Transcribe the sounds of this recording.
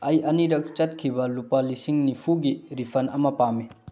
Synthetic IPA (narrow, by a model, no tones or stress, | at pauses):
ɐjɐniɾɐk̚t͡ʃɐt̚kʰibɐlupɐlisiŋnipʰuɡiɾipʰɐnɐmɐpami